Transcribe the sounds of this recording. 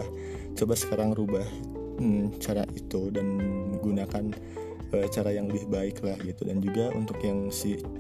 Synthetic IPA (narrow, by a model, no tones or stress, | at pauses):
ah | t͡ʃəbasə̥kaɾaŋɾubah | t͡ʃaɾa̰ʔit̪udanɡunakan | ət͡ʃaɾajaŋləbɪhbaɪklahɡit̪udand͡ʒuɡaʔṵnt̪ʊkjaŋsɪ